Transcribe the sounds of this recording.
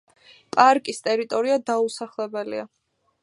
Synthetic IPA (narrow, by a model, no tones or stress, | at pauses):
pʼaɾkʼist̪ʼɛɾit̪ʼɔɾiad̪ausaχlɛbɛlḭa